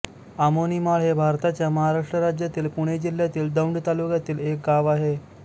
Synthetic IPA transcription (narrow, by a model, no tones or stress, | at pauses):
amonimaɭɦebʱaɾt̪at͡ɕjaməɦaɾaʂʈɾəɾad͡ʑjat̪iːlpuɽ̃ed͡ʑil̤jat̪iːld̪əwɳɖt̪alukjat̪iːlek̚ɡaʋaɦe